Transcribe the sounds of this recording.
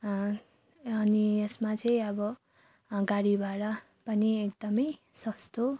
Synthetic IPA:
ʌnijesmat͡sʌĩʌbʌ | ɡaɽibʱaɽʌ | pʌniek̚d̪ʌmʌjsʌst̪o

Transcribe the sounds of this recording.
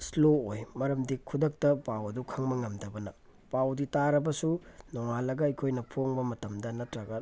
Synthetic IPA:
sloojmɐɾɐmdikʰudɐk̚tɐpawɐdukʰɐŋmɐŋɐmdɐbɐnɐ | pawditaɾɐbɐsunɔŋalɐɡɐɐkʰojnɐpʰoŋbɐmɐtɐmdɐnɐtɾɐɡɐ

